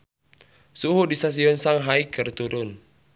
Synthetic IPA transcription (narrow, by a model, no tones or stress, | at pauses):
suɦudist̪as̬iɔnsaŋɦaikərt̪uɾʊn